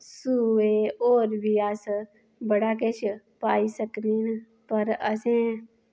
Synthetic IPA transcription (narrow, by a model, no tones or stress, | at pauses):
suweoːɾbijaːs | bəɽaːket͡ʃ | paːisəkniːn | pəɾəsẽː